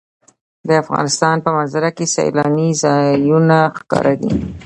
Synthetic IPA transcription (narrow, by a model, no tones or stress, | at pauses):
d̪əafɣɑ̰nɪst̪ɑnpəmanzaɾakesa̰j̰lɑnizɑjunaxkɑ̰ɾʔad̪ḭ